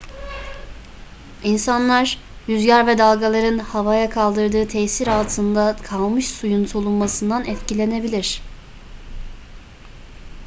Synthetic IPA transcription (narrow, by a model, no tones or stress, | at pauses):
insanlˠaɾ | jyzɟaɾvɛd̪alˠɡalˠaɾɯnhavajakʰalˠd̪ɯɾd̪ɯːt̪ʰɛjsiɾalˠt̪ʰɯnd̪akʰalˠmɯʃsujunsolˠunmasɯnd̪anɛt̪cilʲe̞ne̞bilʲiɾ̥